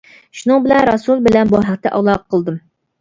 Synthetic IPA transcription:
ʃunɨŋbɪlɛnɾɑsulˠbɪlɛnbɑɦæqt̪ɛʔɑ̰ʁlˠɑqqʰːəlˠd̪ɨm

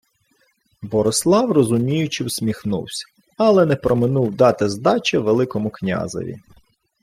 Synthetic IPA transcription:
bɔɾɔslˠɑwrɔzʊmʲijʊt͡ʃɪwsʲmʲixnṵwsʲɐ̥ | ɐlˠɛnɛpɾɔmɪnuwd̪ɑt̪ɪzd̪ɑt͡ʃɛʋelˠɪkɔmʊknʲa̰zɔ̰ʋʲḭ

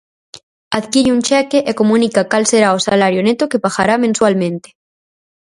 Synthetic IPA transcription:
aðkiɾunʲt͡ʃekeʔekomũnikakalseɾaosalaɾjonet̪okepaɣaɾamẽnswalmẽnt̪e̥

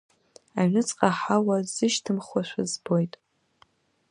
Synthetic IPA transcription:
aɥnɨt͡sʼqʼaħawazɨʃtʰɨmχwaʃʷᶣʰazbojtʼ

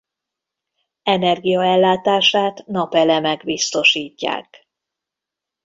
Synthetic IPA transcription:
ɛnɛrɡijɒɛlːaːt̪aːʃaːt̪nɒpɛlɛmɛɡbist̪o̞ʃiːcːa̰ːk

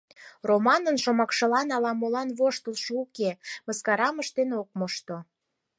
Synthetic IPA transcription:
romɑnənʃomɑkʃɤ̆lɑnɑlɑmolɑnβoʃt̪əlʃoukeməskɑɾɑməʃt̪enok̚moʃt̪o

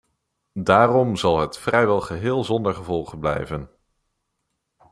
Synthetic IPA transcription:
daːrɔmzɑlˠɦətfrɛjʋɛlˠχəɦɪːlˠzɔndəɹχəvɔlˠχənblɛ̰jvən

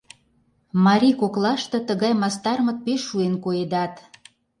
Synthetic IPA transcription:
mɑɾʲikoklɑʃt̪ɤ̆t̪əɣɑjmɑst̪ɑrmɤ̆t̪̚peʃːuenkoed̪ɑt̪

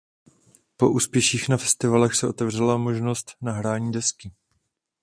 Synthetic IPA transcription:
po̞ʔuːspjɛʃiːxnafɛst̪ɪvalɛxsɛʔo̞t̪ɛvr̝ɛlamo̞ʒno̞st̪naɦɾaːɲiːdɛskɪ

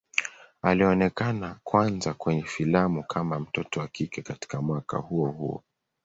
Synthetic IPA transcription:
aliɔnɛkanakwanzakwɛɲɛfilamukʰamam̩tɔtɔwakikɛkati̥kamwaka̰huɔhuɔ̰

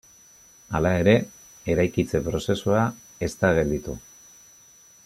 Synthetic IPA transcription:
alae̞ɾe̞ | e̞ɾajkit͡se̞pɾo̞se̞sua | e̞st̪aɣe̞ld̪it̪u

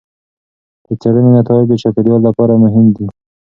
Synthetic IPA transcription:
d̪̥ət͡saɽənenat̪ɑɪd͡ʒd̪ət͡ʃɑped̪jɑllapɑɾamʊɦɪmd̪i

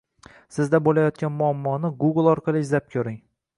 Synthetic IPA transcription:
sɪzd̪abolajɒt̪̚kʲanmʊamːɒnɪɡuɡɨlˠɒɾqʰɑlˠɪɪzlap̚kʲʰɵɾɪŋ

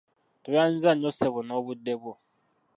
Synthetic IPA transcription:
toβan̩zaɲoseβonoβudːeβo

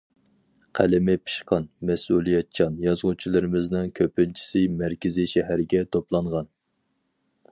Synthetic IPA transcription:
qʰælɪmɪpʰi̥ʃqɑnmɛsulˠijɛt̪̚t͡ʃʰɑnjɑzʁʊt͡ʃʰilˠɨɾɪmɪznɪŋkʲʰøpɪnt͡ʃʰi̥sɪmæɾkʲɪzɪʃɛɦæɾɡʲɛt̪ʰoplˠɑɴʁɑn

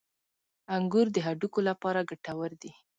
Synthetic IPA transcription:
aŋɡuɾd̪əɦaɖukolapɑɾaɡaʈawəɾd̪i

